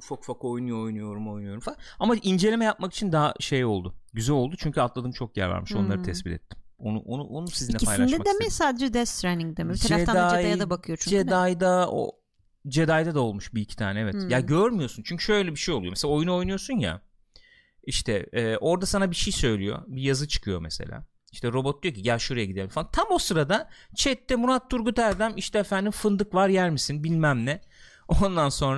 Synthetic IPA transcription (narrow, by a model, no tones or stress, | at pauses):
fokfako̞jnujoojnujo̞ɾumo̞jnujo̞ɾumfakamaʔind͡ʒe̞lʲemɛjap̚maki̥t͡ʃʰind̪aɦaʃe̞jo̞lˠd̪ʊɟyzælʲo̞lˠd̪ut͡ʃʰyɲcʰyat̪lˠad̪ɯmt͡ʃʰo̞k̚jæ̰ɾvæ̰ɾmiʃʃo̞nlˠaɾɯt̪ʰɛsbit̪ʰɛ̰t̪ʰːi̥m | onṵʔonṵʔonusiznːɛpalˠanʃɛad̪emɛsaːd̪ed͡ʒɛd̪ɛst̪ɾɛniŋd̪emɛit̪ʰad͡ʒaefd̪aaj̪ajad̪abakʰɯjot͡ʃʰyd͡ʒed̪ajd̪ao̰ | d͡ʒe̞d̪ajd̪ad̪ao̞lˠmuʃbicʰi̥t̪ʰa̰ːnɛevɛt̪jaɟøɾmyjo̞sunt͡ʃʰyɲcʰyʃø̞jlʲɛbiʃejo̞lˠujomeselao̞junuo̞jnujo̞sunja̰ | iʃt̪ʰɛ̰ːʔo̞ɾd̪asanabiʃejsø̞jlʲḭjo̞̰bijazɯt͡ʃʰɯ̥kʰɯjo̞̰mese̞̰lʲa̰ː | iʃt̪ɛɾo̞bot̪̚lujo̞cʰiɟælʲʃuɾajaɟid̪eɾʲimfalˠant̪ʰamosɯɾad̪at͡ʃʰɛt̪ːɛmunat̪̚ʰːuɾɡut̪ʰæɾd̪æmiʃt̪ʰɛefænd̪imfɯnd̪ɯkvaɾjæɾmisinbilʲmæmnɛ | ond̪anso̞nɾa